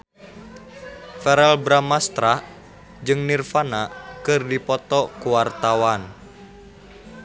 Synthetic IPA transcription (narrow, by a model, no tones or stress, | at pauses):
fɛɾɛlbɾamast̪ɾa | d͡ʒɨŋnirfanakɨrdipɔt̪ɔkuwart̪awan